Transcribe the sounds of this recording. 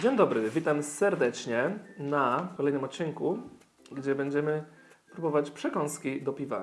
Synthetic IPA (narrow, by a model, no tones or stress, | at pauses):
d͡ʑeɲd̪ɔbɾɘvʲit̪amsɛɾd̪ɛt͡ʂɲɛnakɔlɛjnɘmɔt̪̚t͡ɕːiŋku | ɡd͡ʑɛbɛɲd͡ʑɛmɘ | spɾubɔvat͡ɕpʂɛkɔ̃ñskʲid̪ɔpʲiva̰